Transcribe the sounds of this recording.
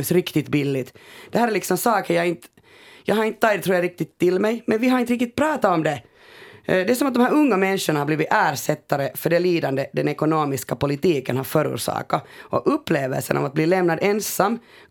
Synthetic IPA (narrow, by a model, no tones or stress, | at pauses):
sɾɪkt̪ɪt̪bɪlːɪt̪d̪ɛhæːɾɛlɪksɔmsɑːkəɾjɑɪnt̪ | jɑ̰ːɡhaɾɪnt̪ət̪ɑɡ̚d̪ɛt̪ɾuːɾjɑɾɪk̚t̪ɪt̪ʰːɪlmɛjmɛnʋɪɦaɾɪnt̪ɾɪk̚t̪ɪt̪̚pʰɾɑːt̪aɔmd̪ɛ | d̪ɛæsɔmat̪̚d̪ɔmhæːɾɵŋːamɛnʂəɳahabliːʋɪʔæːɾʂɛt̪ːaɾəfœɖɛliːd̪and̪əd̪ɛnɛkʊnoːmɪskapʊlɪt̪iːkənhaɾfœːɾṵːɾʂɑ̰ːkaɔ̰ʔɵpːleːvɛ̰lsə̰nʔɔ̰mat̪̚bliːlɛmnad̪ɛnsamː